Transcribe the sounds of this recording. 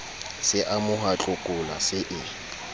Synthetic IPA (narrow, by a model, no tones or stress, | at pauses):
sɪʔamʊɦat͡ɬʼʊkʼʊla̰sɪʔɪ